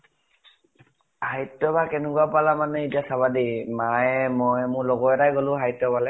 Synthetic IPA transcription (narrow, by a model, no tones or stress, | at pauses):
hajtːɔbakɛnɛkuapalamanɛitiasaβadimajmɔjmʊlɔɡɔtajɡolʊ̃ɦajtːɔpalɛ